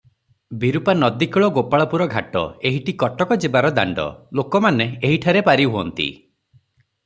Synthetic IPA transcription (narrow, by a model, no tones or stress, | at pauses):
biɾupanɔd̪ikɔɭɔɡopaɭɔpuɾɔɡʱaʈɔ̰eɦiʈikɔʈɔkɔd͡ʒebaɾɔd̪a̰ɳɖɔ̰lokɔmaneeɦiʈʰaɾepaɾiɦuɔ̰nt̪ḭ